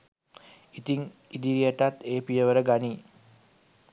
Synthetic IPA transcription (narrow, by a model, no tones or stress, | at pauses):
it̪iŋid̪iɾijəʈat̪ːeːpijəʋəɾəɡani